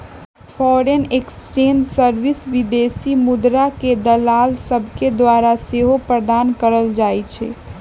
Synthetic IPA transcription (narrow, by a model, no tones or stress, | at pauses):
fʰɔːɾeneksʈẽːnɖsəɾʋɪsʋid̪esimʊd̪ɾaked̪əlaːlsəbʱked̪waːɾaseɦopɾəd̪aːnkəɾəld͡ʒaːit͡ʃʰɛ̰